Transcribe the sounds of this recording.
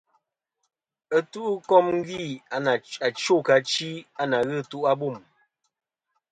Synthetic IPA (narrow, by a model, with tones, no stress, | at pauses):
ə˦tu˦ʔkɔ˦mŋ̩˦ɡi˦˨a˨na˨a˨t͡ʃo˦˨ka˨t͡ʃi˦a˦na˨ɣɨ˦˨tu˦ʔa˦bu˦˨m